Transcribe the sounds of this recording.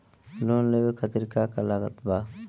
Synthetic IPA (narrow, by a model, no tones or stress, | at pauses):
loːnlewekʰət̪iɾkaːkalaɡə̰t̪baː